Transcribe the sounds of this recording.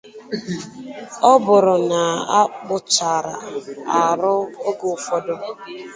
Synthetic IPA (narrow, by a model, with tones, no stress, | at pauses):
ɔ˦bʊ˨ɾʊ˨na˨a˦k͡pʊ˨t͡ʃa˨ɾa̰˨a˨ɾʊ˦o˦ɡo˨fɔ˦dʊ˦